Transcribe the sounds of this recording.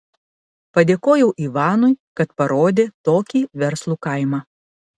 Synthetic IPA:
pɐd̪ʲeːkoːjɛʊʔiʋɑːnʊɪkɐt̪pɐɾoːd̪ʲeːt̪oːkʲiːʋʲɛɾslˠuːkɐˑɪmɑː

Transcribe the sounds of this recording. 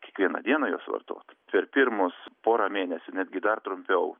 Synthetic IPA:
kʲiɛkʋʲiɛnɐ̰d̪ʲiɛnɐjoːsʋɐ̰rt̪o̰ːt̪pʲɛɾpʲɪɾmʊspoːɾɐmʲeːnʲɛsʲʊnʲæːd̪ʲɡʲɪd̪ɐrt̪ɾʊmʲpʲɛʊ

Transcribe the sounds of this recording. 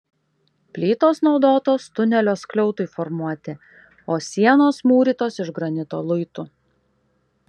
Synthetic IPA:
pʲlʲiːt̪oːsnɒʊd̪oːt̪oːst̪ʊnʲɛlʲoːsklʲɔʊt̪ʊɪfɔɾmuɔt̪ʲɪ | oːsʲiɛnoːsmuːɾʲiːˑt̪oːsɪʒɡɾɐnʲɪt̪o̰ːlˠʊɪt̪ʊ

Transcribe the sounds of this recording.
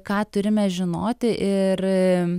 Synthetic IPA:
kɑːt̪ʊɾʲɪmʲɛʒʲɪnoːt̪ʲɪʔɪr

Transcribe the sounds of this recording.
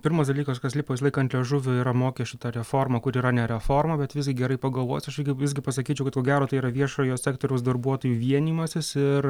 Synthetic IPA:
pʲɪɾmoːsd̪ɐlʲiːkoːskɐslʲɪpoːɪs̬ʲlˠɐɪkɐnt̪lʲɛʒʊʋʲʊiːɾɐmoːkʲɛʃʲɪt̪ɐɾʲɛfoːɾmɐkʊɾiːɾɐnʲɛɾʲɛfoːrmɐbʲɛt̪ʋʲɪsɡʲɪɡʲɛɾɐɪpɐɡɐlˠʋoːjsɐʃʲɪɡʲɪʋʲɪszʲɡʲɪpɐsɐkʲiːt͡ʃʲɛʊkɐt̪koːɡʲæːɾoːt̪ɐɪiːɾɐʋʲiɛʃoːjoːsʲæːk̚t̪oːɾʲɛʊsd̪ɐrbuɔt̪oːjuːʋʲiɛnʲiːmɐsʲɪsɪr

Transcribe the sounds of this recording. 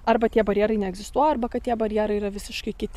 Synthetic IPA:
ɐrbɐt̪ʲiɛbɐɾʲjɛːɾɐɪnʲɛɛɡzʲɪst̪uɔjɛɐrbɐkɐt̪tʲiɛbɐɾʲjɛːɾɐɪirɐʋʲɪsʲɪʃkɐɪkʲɪt̪ʲ

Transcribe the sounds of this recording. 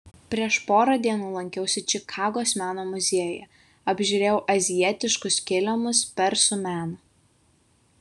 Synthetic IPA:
pʲɾʲiɛʃpoːɾɐd̪ʲiɛnuːlˠɐŋʲkʲɛʊsʲɪt͡ʃʲɪkʰɑːɡoːsmʲæːnoːmʊzʲeːɛjɛ | ɐbʲʒʲʊɾʲeːjɛʊʔɐzʲɪjɛt̪ʲɪʃkʊskʲɪlʲɛmʊspʲɛɾsʊmʲæːnɐ

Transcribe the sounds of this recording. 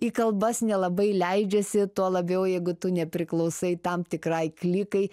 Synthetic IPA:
ikɐlˠbɐsnʲɛlˠɐbɐɪlʲɛɪd͡ʒʲɛsʲɪt̪uɔlˠɐbʲɛʊjɛɪɡʊt̪ʊnʲɛpʲɾʲɪklˠɐʊsɐɪt̪ɐmt̪ʲɪkrɐɪklʲikɐɪ

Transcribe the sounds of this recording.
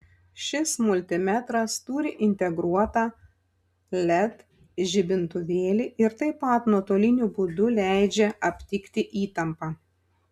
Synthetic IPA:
ʃʲɪsmʊlʲt̪ʲɪmʲæt̪ɾɐst̪uːɾʲɪʔɪnʲt̪ʲɛɡɾuɔt̪ɑ | lʲɛt̪ | ʒʲɪbʲɪnt̪ʊʋʲeːlʲiʔɪɾt̪ɐɪpːɐˑt̪nuɔt̪oːlʲɪnʲubʊd̪ʊlʲæɪd͡ʒʲɛɐpʲt̪ʲɪkʲt̪ʲɪʔiːt̪ɐmpɑː

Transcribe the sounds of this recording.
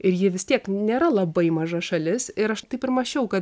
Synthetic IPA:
ɪɾjɪʋʲɪst̪ʲiɛknʲeːɾɐlˠɐbɐɪmɐʒɐʃɐlʲɪsɪɾɐʃt̪ɐɪpɪɾmɐʃʲɛʊkɐt̪

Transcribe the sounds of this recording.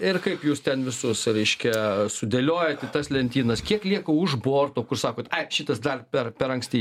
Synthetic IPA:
ɪrkɐɪpjuːst̪ʲɛnʋʲɪsʊsɾʲɛɪʃʲkʲɛsʊd̪ʲelʲoːjɛt̪ʲɪt̪ɐslʲɛnʲt̪ʲiːnɐskʲiɛklʲiɛkoʊʒboːrt̪oːkʊrsɑːkoːt̪ɐɪʃʲɪt̪ɐsd̪ɐrpʲɛrpʲɛɾɐŋksʲt̪ʲiː

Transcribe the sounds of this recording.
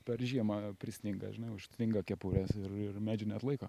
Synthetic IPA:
pʲɛrʒʲiɛmɐpʲɾʲɪsʲnʲɪŋɡɐ̰ʒʲɪnɐɪʊʃʲnʲɪŋɡɐkʲɛpuːɾʲɛsɪrɪrmʲæːd͡ʒʲɪnʲɛt̪lˠɐɪkoː

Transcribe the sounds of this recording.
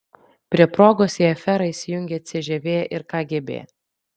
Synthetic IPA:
pʲɾʲiɛpɾoːɡoːsʲjeːɛfʲɛɾɐɪsʲɪjʊŋʲɡʲeɐt̪ʲsʲɪʒʲɛʋʲeːjɛʔɪɾkɑːɡʲiɛbʲḛːjɛ

